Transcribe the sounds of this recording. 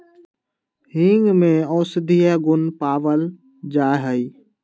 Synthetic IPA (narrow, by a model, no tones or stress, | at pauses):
hiŋɡmẽɔːsd̪ijaɡʊnpaːʋəl | d͡ʒaːɦəi